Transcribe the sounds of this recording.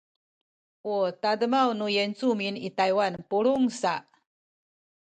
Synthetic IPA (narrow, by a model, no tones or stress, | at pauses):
ʔutadəmawnujent͡suminitajwanpuɾuŋsaʔ